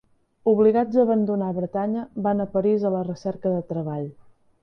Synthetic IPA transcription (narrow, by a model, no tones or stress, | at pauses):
uβliɣad͡zəːβənd̪unaβɾət̪aɲəβanəpəɾizələrəsɛɾkəðət̪ɾəβ̞aʎ